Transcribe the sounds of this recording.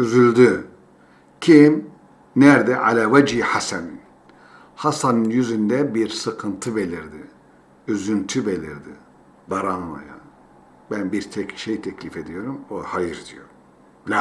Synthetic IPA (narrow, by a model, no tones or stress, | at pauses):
yzylʲd̪y | cʰim | næɾd̪ɛʔalʲavad͡ʒiːhasænin | hasanɯnjyzynd̪ɛbiɾsɯkʰɯnt̪ʰɯbe̞lʲiɾd̪i | yzynt̪ʰybe̞lʲiɾd̪i | baɾanlˠo̰ja | bænbiɾt̪ʰɛcʃejt̪ʰɛclʲife̞d̪ijo̞ɾumohajɯɾd̪ijo | la